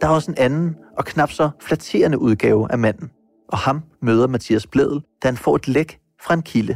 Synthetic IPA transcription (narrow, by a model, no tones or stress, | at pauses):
d̥ɑ̈æɐɒ̽səe̝nænn̩ʔɒ̽kʰnɑ̈b̥sɒflæt͡sʰe̝̰ːɐnəʔuð̞ˠɡ̥ɛːʊʔæmæn̰n̩ | ʔɒ̽hɑ̈mmøːð̞ˠɐmæt͡sʰḭːæsb̥leðˠl̩d̥æhænfɒ̰ːe̝d̥leɡ̥ | fʁɑ̈e̝nkʰilə